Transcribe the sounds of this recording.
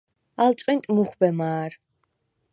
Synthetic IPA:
alsʼint̪ʼmuχbɛmaːɾ

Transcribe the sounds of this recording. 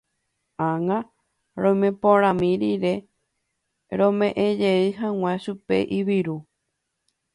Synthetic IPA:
aŋã | ɾõjmẽpõɾ̃ãmĩɾiɾe̞ | ɾõmẽʔẽd͡ʒeɨɦãw̃ẽʃupe̞̰ʔiβiɾu

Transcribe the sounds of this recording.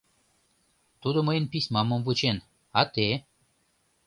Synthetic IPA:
t̪ud̪oməjənpisʲmaməmvut͡ɕen | at̪e

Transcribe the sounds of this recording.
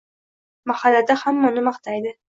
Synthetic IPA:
mahalːad̪ahamːaʊnɪmɑqt̪ʰajd̪ɪ

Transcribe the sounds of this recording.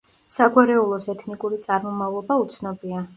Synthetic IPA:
saɡwaɾɛulˠɔsɛt̪ʰnikʼuɾit̪sʼaɾmɔmavlˠɔbaut̪sʰnɔbia

